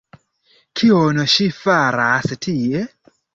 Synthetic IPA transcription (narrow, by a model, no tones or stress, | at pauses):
kʰionɔʃifaɾastʰijɛ